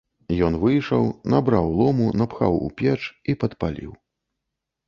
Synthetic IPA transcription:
jɔnvɨjʂɐwnabɾawlˠɔmunapxa̰wṵpʲɛt͡ʂipɐt̪palʲḭw

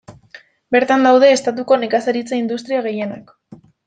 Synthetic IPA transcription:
be̞ɾt̪and̪awðe̞ːst̪at̪uko̞nekasaɾit͡saind̪ust̪ɾiaɣ̞e̞je̞nak

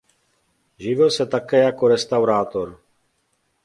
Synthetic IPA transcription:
ʒɪʋɪlsɛt̪akɛːjakoɾɛst̪awɾaːt̪oɾ

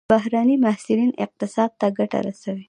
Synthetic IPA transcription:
baɦɾanimahsɪɾinɪ̰q̚t̪ɪsɑd̪̚t̪aɡaʈa̰ɾasawi

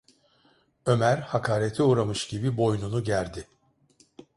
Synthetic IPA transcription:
ø̞mæɾhakʰaːɾet̪ʰiuːɾamɯʃɟibibo̞jnunuɟæɾd̪ɪ

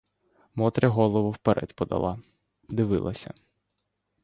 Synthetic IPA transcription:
mɔt̪ɾʲɐɦɔlˠɔʋʊwpeɾʔɛ̰t̪ʲpɔd̪ɐ̰lˠɑ | d̪ɪʋɪ̰lˠɐsʲɐ̰

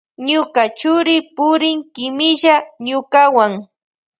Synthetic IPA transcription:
ɲʊkat͡ʃʊɾɪpʊɾɪŋkɪmɪʒaɲʊkawaŋ

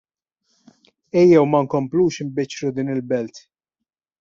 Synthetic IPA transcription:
ɛjːɛwmɐŋkɔmpluːʃɪmbɪt͡ʃːɾud̪iːnɪlbɛlt̪

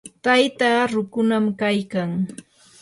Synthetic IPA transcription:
t̪ajt̪aɾʊkʊnamkajkaŋ

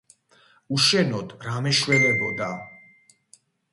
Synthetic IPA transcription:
uʃɛnɔd̪ɾamɛʃwɛlɛbɔd̪a

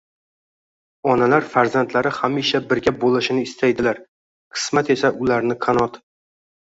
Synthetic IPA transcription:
ɒnalaɾfaɾzant̪ʰlaɾɪhamiʃabɪɾɡʲabolɪʃɪnɪːst̪ʰajd̪ɪlaɾ | qʰɨ̥smat̪e̞saʔʊlaɾnɪqʰanɒt̪

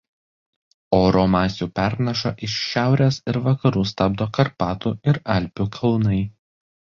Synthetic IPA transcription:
oːɾoːmɑːsʲuːpʲæɾnʲɐʃɐʔɪʃʃʲæˑʊɾʲeːsɪɾʋɐkɐɾuːst̪ɐb̚d̪oːkɐɾpɑːt̪uːɪɾɐlʲpʲuːkʰɐlˠnɐɪ

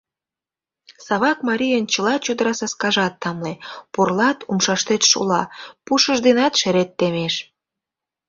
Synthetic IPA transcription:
sɑβɑkmɑɾʲijənt͡ɕəlɑt͡ɕod̪əɾɑsɑskɑʒɑt̪ːɑmleporlɑt̪umʃɑʃt̪et̪ʃo̰lɑ̰puʃəʒd̪enɑt̪ʃeɾet̪ːemeʃ

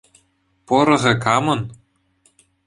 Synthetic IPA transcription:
pŏɾɤ̆ʁĕkɑmɤ̆n

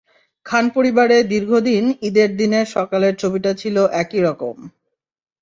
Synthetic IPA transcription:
kʰanpoɾibaɾed̪iɾɡʱod̪inid̪eɾd̪ineʃɔkaleɾt͡ɕʰobiʈat͡ɕʰiloʔɛkiɾɔko̰m

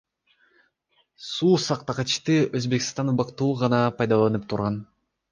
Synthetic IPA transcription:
suːsɑq̚t̪ɑqɑt͡ʃt̪ɯʔøzbe̞kist̪ɑnubɑqt̪uːʁɑnɑpɑjd̪ɑlˠɑnɯpt̪ʰuɾʁɑn

